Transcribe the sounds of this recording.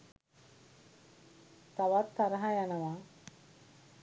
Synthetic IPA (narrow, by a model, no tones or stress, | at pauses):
t̪aʋat̪ʰːaɾəɦajanəʋa